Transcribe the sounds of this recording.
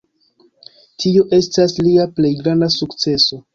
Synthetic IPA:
tʰioʔe̞stasliaple̞jɡɾandasukt͡se̞so̞

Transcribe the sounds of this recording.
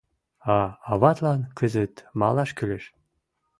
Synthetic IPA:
ɑɑβɑt̪lɑnkʰəzət̪mɑlˠɑʃkylʲɘ̆ʃ

